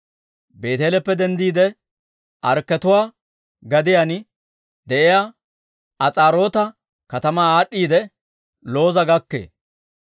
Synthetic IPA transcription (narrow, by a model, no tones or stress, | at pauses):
be̞ːt̪eːlɛpːɛd̪ɛnd̪iːd̪ɛ | ʔɐɾkːɛt̪ʊwaː | ɡɐd̪ɪjan | d̪ɛʔɪja | ʔɐt͡sʼaːɾo̞ːt̪ɐ | kɐt̪ɐmaːaːɗːiːd̪ɛ | lo̞ːzɐɡɐkːḛː